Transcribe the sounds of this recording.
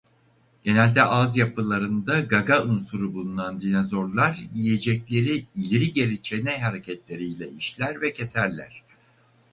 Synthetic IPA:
ɟ̥e̞nælʲd̪ɛʔazjapʰɯlˠaɾɯnd̪aɡaɡaunsuɾubulˠunand̪inazo̞ɾlˠaɾjije̞d͡ʒɛclʲe̞ɾiilʲeɾiɟe̞ɾit͡ʃʰe̞nɛɦaɾe̞cʰɛt̪lʲe̞ɾijlʲɛiʃlʲæɾvɛcʰe̞sæɾlʲæ̰ɾ̥

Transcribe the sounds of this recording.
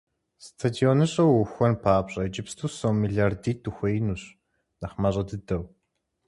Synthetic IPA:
stʰadionɨɕʼɐwuxʷɔnpʰaːpɕʼɐd͡ʒɪpstʰuːsowmiɮardiːtʰuxʷɐjnuɕ | nɐχmɐɕʼɐdɨdɐw

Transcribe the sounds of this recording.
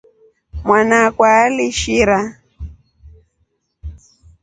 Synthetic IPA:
mwanakwaːliʃiɾa

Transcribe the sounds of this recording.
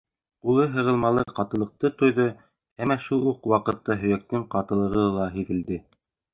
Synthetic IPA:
ulˠɤɦɤ̆ʁɤ̆lˠmɑlˠɤqɑt̪ɤ̆lˠɤ̆q̚t̪ɤt̪ŏjðɤ | æmːæʃulˠuqwɑqɤ̆t̪ːɑɦɵ̆jæk̚t̪ɘɴqɑt̪ɤ̆lˠɤ̆ʁɤlˠɑɦiðɘ̆ld̪ɘ

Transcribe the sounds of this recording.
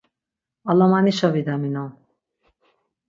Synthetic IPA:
alɔmaniʃɔvid̪amina

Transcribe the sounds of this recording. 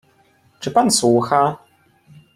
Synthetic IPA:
t͡ʂɘpanswuxa

